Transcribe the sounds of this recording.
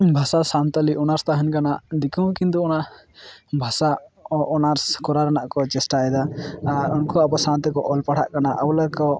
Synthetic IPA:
bʱasasant̪aliʔɔnaɾst̪aɦɛnkanaʔd̪ikũwkint̪uɔnaʔ | bʱasaɔnaɾskɔɾaɾanaʔkɔt͡ʃɛsʈaɛd̪aaɾɔnkɔabɔsant̪ɛkɔʔɔlpaɽ̤ʰa̰ʔkanaʔawləkɔ

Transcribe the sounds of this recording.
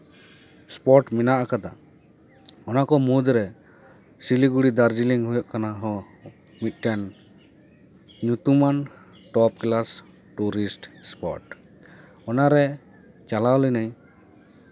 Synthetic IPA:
spɔʈminaʔakad̪a̰ | ɔnakɔmud̪ɾɛ | siliɡuɽid̪aɾd͡ʒiliŋɦujɔʔkanaɦɔ̃ | mit̪̚ˀʈɛn | ɲut̪uman | ʈɔp̚klas | ʈuɾisʈspɔʈ | ɔnaɾɛ | t͡ʃalawlinaj

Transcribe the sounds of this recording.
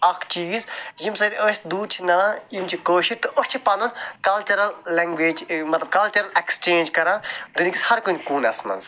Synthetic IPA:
ɐkʰt͡ʃiːzjimsɐd̪ʲosʲd̪uːd̪̚t͡ʃʰinɐlãːjimt͡ʃʰikoːʃit̪ɨʔost͡ʃʰipɐnunkɐlt͡ʃɐɾɐlːɐŋɡʋeːd͡ʒmɐt̪lɐbkɐlt͡ʃɐɾɐlekst͡ʃẽːnd͡ʒkɐɾãːd̪unikʲishɐɾkunkuːnɐsmɐ̰nz

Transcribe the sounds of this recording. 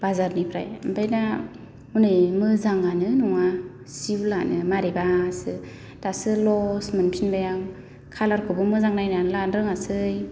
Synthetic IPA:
b̥azaɾnipʰɾa̰jmbʰajna | unɯjmɯzaŋɡanɯnɔŋa | siblanɯmaɾebasɯ | tasɯlɔsmɯnpʰinbajaŋ | kʰalaɾkʰɯbɯmɯzaŋnajnanlanɾɯŋasɯj

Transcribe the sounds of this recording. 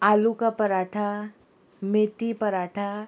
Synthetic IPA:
aːlukapɐɾaːʈʰa | met̪ipɐɾaːʈʰa

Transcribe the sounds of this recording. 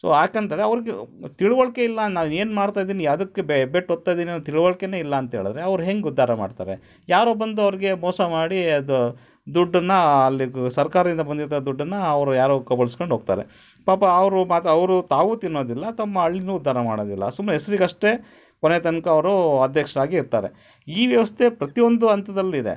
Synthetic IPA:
so̰ːaːkɐnt̪aɾeɐʋɐɾiɡet̪iɭuʋɐɭkeilːɐnaːʋeːnmaːɽt̪aːjd̪iːnijaːd̪ɐkːebebeʈːɔt̪ːaːjd̪iːnint̪iɭuʋɐɭkeneːilːɐːnt̪ɐɦe̞ːɭɐd̪ɾe̞ɐʋɐɾuɦeŋɡeud̪ʱːaːɾɐma̰ːɖt̪a̰ːɾe | jaːɾoːbɐnd̪uɐʋɐɾiɡe̞mɔːsɐmaːɽiɐd̪u | d̪uɖːɐnːɐːlːisɐɾkaːɾɐd̪ind̪ɐbɐnd̪iɾt̪d̪uɖːɐnːɐɐʋɾujaːɾoːkɐbɐɭisko̞ɳɖɦoːɡ̚t̪a̰ːɾḛ | paːpɐːʋɐɾumaːt̪ɐʋɐɾut̪aːʋut̪inːoːd̪ilːɐt̪ɔmːɐɐɭːinuːud̪ʱːaːɾɐmaːɽoːd̪ilːɐ̰sumɐɾɐɦesɾiɡɐʂʈe̞ | konet̪ɐnkɐːʋɐɾuɐd̪ʱjɐkʂɐɾaːɡiːɾt̪aːɾe̞̰ | iːʋjɐʋɐst̪ʰe̞pɾɐt̪ijond̪uɐnt̪ɐd̪ɐlːid̪e̞̰

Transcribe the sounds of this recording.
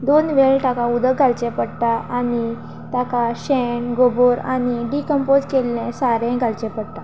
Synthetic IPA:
d̪onʋeɭʈakaud̪əkɡʱalt͡ɕɛ̃pəɽt̪aani | t̪akaɕɛɳɡoboɾaniɖikəmpod͡zkelːɛ̃saɾɛ̃ɡʱalt͡ɕɛ̃pəɽt̪a

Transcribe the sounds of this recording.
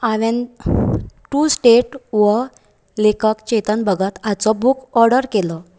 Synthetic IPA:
aʋẽn | ʈusʈeʈʋə | lekakt͡ɕɛt̪ənbəɡʱat̪at͡sɔbukʰɔɾɖəɾkelɔ

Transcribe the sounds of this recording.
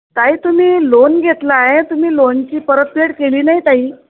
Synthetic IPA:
t̪aɦiːt̪um̤iːlonɡʱet̪laet̪um̤iːlont͡ɕiːpəɾət̪̚pʰeʈkeliːnait̪aɦiː

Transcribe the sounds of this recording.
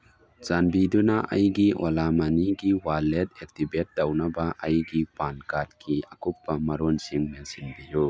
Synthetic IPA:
zanbidunaʔɐ̰jɡiʔɔlamɐniɡiwalet̚ek̚tibet̚dɐwnɐbaʔɐjɡipankat̚kʰiʔɐkupːɐmɐɾonsiŋmensinbiju

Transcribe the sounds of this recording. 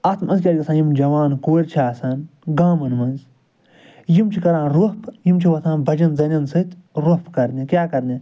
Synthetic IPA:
ɐt̪ʰmɐnzkʲɐːɾkɐsʰãːjimd͡ʒɐʋaːnkoːɾʲt͡ʃʰaːsɐnɡaːmɐnmɐnz | jimt͡ʃʰikɐɾãːnɾupjimt͡ʃʰiʋɐt̪ʰãːnbɐd͡ʒɐnzɐnʲɐnsɨt̪ʲɾopkɐɾd̪nʲẽkʲjaːkɐɾd̪ʲĩː

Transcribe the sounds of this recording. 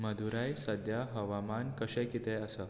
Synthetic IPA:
məd̪ʱuɾajsəd̪ʱjaɦəʋamankəɕẽkit̪eəsə

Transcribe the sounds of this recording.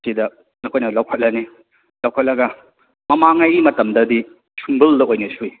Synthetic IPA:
sidɐ | nɐkʰojnɐlɐwkʰɐt̚lɐni | lɐwkʰɐt̚lɐɡɐ | mɐmaŋajimɐtɐmdɐdi | sʰumbɯldɐojnɐsui

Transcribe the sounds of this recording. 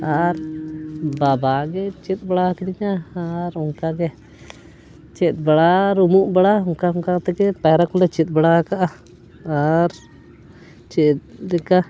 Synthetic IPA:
aɾ | babaɡɛt͡ʃit̪̚bɛɽakɛdiɲaɾɔŋkaɡɛ | t͡ʃɛt̪̚bɛɽaɾumuʔbɛɽauŋkauŋkat̪ɛkɛpaɾakɔlɛt͡ʃit̪̚ˀbaɽakaʔaː | ɾ | t͡ʃit̪̚dɛka

